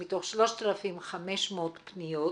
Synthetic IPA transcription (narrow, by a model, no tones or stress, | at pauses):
mit̪o̞χʃlo̞ʃt̪alafimχameʃmot̪pnijo